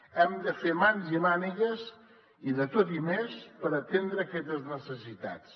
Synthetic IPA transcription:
ɛmd̪əfemanzimaniɣəs | iðət̪ot̪̬imespəɾət̪end̪ɾəːkɛt̪əznəsəsit̪a̰t͡s

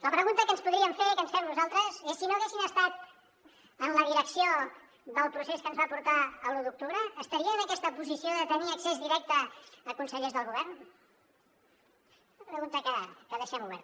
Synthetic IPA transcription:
ləpɾəɣunt̪əkənspuðɾiəmfeɾkənsfɛmnuzalˠt̪ɾəzesːinoəɣesinəst̪at̪̚ | ənləðiɾəksio | d̪əlˠpɾuseskənzβapuɾt̪aəluðuk̚t̪uβɾəːst̪əɾiəːnəkɛst̪əpuzisioðət̪əniəksezðiɾɛk̚t̪əːkunsəʎezðəlˠɣuβɛrn | ləpɾəɣunt̪əkəkəðəʃɛmuβ̞ɛɾt̪

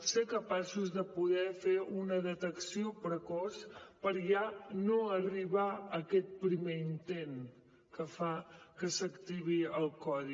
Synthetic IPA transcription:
sekəpasuzðəpuðɛfeunəðət̪əksiopɾəkɔspəɾʒanoəriβaəkɛt̪̚pɾimeint̪en | kəfakəsəkt̪iβ̞iəlˠkɔði

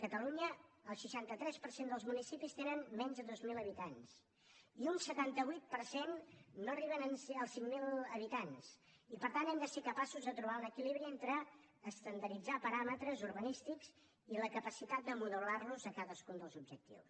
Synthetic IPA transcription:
kət̪əluɲəːlˠʃəʃant̪ət̪ɾɛspəɾsend̪əlˠzmunisipist̪enənmɛɲzðəðozmiləβit̪ans | iunsət̪ant̪əβujt̪̚pəɾsenːoəriβ̞ənənəlˠsiŋmilˠəβit̪ans | ipəɾt̪anɛmd̪əsekəpasuzðət̪ɾuβ̞anəkiliβɾient̪ɾəː | st̪ənd̪əɾid͡zapəɾamət̪ɾəzuɾβənist̪ikz̥ | iləkəpəsit̪at̪̚d̪əmuðəlarluzəkaðəskund̪əlˠzub̚d͡ʒək̚t̪ḭws

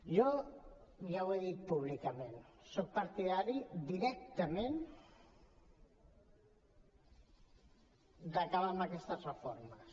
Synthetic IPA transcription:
jo | jaweðit̪̚puβ̞likamensok̚paɾt̪iðaɾid̪iɾek̚t̪amẽn | d̪akaβamakest̪arefoɾma

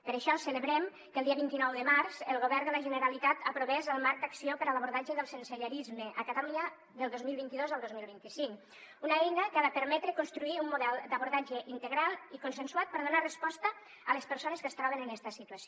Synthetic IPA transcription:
pəɾəʃɔsələβɾɛm | kəlˠd̪iəβint̪inɔwðəmaɾz̥əlˠɣoβɛrnd̪ələʒənəɾalit̪at̪əpɾoβɛzəlˠmaɾk̚d̪aksiopəɾələβuɾðad͡ʒəðəlˠsənsəʎəɾizməʔəkat̪aluɲə | ðəlˠd̪ozmilˠβint̪iðozəlˠd̪ozmilˠβint̪isiŋk | unaejnəkaðəpəɾmɛt̪ɾəkunst̪ɾuiumːuðɛlˠd̪əβuɾðad͡ʒəʔint̪əɣɾalˠikunsənsuat̪̚pəɾðunarəspɔst̪ə | ələspəɾsonəskəst̪ɾɔβenənɛst̪əsit̪uəsio

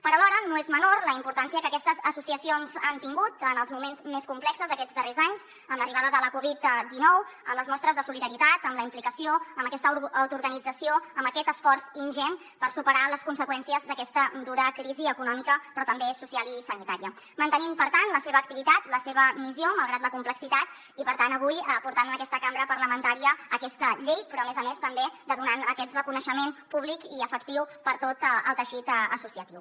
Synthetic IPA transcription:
pəɾəlɔɾənoezmənorləimpuɾt̪ansiəkəkɛst̪əzəsusiəsionzant̪iŋɡut̪ənəlˠzmumenzmeskumplɛksəzðəkɛd͡zd̪ərezaɲz | ənləriβaðəðələkuβit̪d̪inɔwə̰mləzmɔst̪ɾəzðəsuliðəɾit̪at̪əmləimplikəsioəmbəkɛst̪əəwt̪uɾɣənid͡zəsioəmbəkɛt̪əsfɔrzinʒɛn | pəɾsupəɾaləskunsəkwɛnsiəzd̪əkɛst̪əd̪uɾəkɾiziəkunɔmikəpɾɔt̪əmbesusialˠisənit̪aɾiə | mənt̪ənimpəɾt̪anləseβəːk̚t̪iβit̪at̪ləseβ̞əmizjoməlˠɣ̞ɾat̪ləkumpləksit̪at̪̚ | ipəɾt̪anəβ̞ujəpuɾt̪anənəkɛst̪əkambɾəpəɾləmənt̪aɾiəːkɛst̪əʎejpɾɔəmezəmest̪əmbed̪əðunanəkɛt̪rəkunəʃəmenpuβlikiəfəkt̪iwpəɾt̪ot̪əlˠt̪əʃit̪əsusiət̪iw

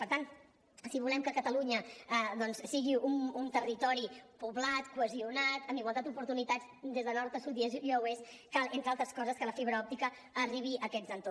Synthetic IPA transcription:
pəɾt̪an | siβulɛmkəkət̪əluɲəəd̪ɔnssiɣiumunt̪ərit̪ɔɾipuβlat̪kwəziunat̪əmbiɣwalˠat̪d̪upuɾt̪unit̪ad͡z | d̪ezðənɔɾt̪əsut̪ieziəwes | kalˠent̪ɾalˠt̪ɾəskɔzəskələfiβɾəɔp̚t̪ikəː | riβ̞iʔəkɛd͡zənt̪o

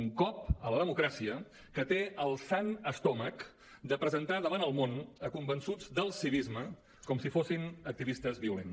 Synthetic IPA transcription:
ŋkɔpələðəmukɾasiə | kət̪eəlˠsanəst̪ɔmək | d̪əpɾəzənt̪aðəβanəlˠmonəkumbənsud͡zd̪əlˠsiβizmə | kɔmsifosinək̚t̪iβist̪əzβiulḛn

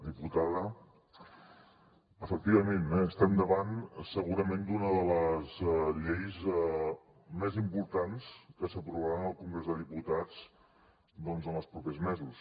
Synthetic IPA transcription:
ðiput̪aðə | əfək̚t̪iβ̞əmenɛəst̪ɛmd̪əβansəɣuɾəmend̪unəðələzʎejzɛ | mɛzimpuɾt̪anskəsəpɾuβaɾanəlˠkuŋɡɾezðəðiput̪at͡s | d̪ɔnzənəlˠspɾupezmɛzus

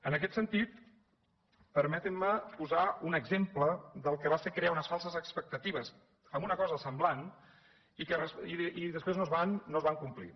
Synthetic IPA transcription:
ənəkɛt̪sənt̪it̪ | pəɾmɛt̪əmːəpuzaunəɡzempləðəlˠkəβaseɾkɾeaunəsfalˠsəzəkspək̚t̪ət̪iβəs | əmunəkɔzəsəmblan | ikərəsiiðəspɾeznozβanːozβaŋkumplḭ

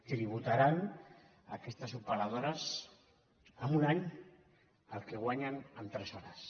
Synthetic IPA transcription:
t̪ɾiβ̞ut̪aɾan | a̰kest̪asupalað̞oɾas | amunaɲ | alkeɣ̞waɲanant̪ɾesoɾas

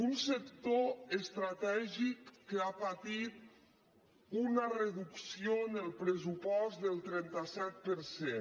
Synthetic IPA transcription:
unsəkt̪oəst̪ɾat̪ɛʒikːəapat̪it̪̚ | unərəðuksionəlˠpɾəs̬upɔst̪dðəlˠt̪ɾɛnt̪əsɛt̪̚pəɾse

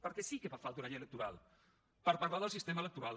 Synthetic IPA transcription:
pəɾkɛsikəβafalˠt̪unaɲələk̚t̪uɾalˠ | pəɾpaɾlaðəlˠsist̪emələk̚t̪uɾa

